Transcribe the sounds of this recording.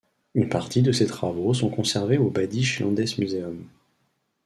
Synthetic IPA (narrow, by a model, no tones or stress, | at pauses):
ynpaʁt̪id̪əset̪χavosɔ̃kɔ̃sɛʁveobad̪iʃlɑ̰̃d̪ɛsmyzeɔm